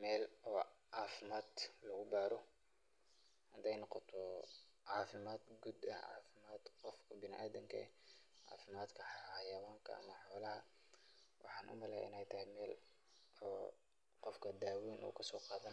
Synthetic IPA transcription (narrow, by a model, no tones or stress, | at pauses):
mɛːlʔɔːʕɑːfɪmaːd̪lɐɣʊbaːɾɔ | hɐnd̪ɛjnɔqɔt̪ʰɔ | ʕɑːfɪmaːd̪ɡud̪ɐ̰ʕɑ̰ːfɪmaːd̪qɔfkʰɐbɪnɪʔaːðɪŋkʰɐ̰ɛʕɑ̰ːfɪmaːd̪kʰɐħhɐjɐwaːŋkʰɐ̰ɐ̰mɐħɔːlɐɦɐ | wʔɑħɑːnʔʊ̰mɐlɛ̰ʔɪnɛjt̪ʰɐhɛjmɛːl | ɔː | qɔfkʰɐd̪aːwiːnʔɔ̰ːkʰɐsɔːqɑːðɐn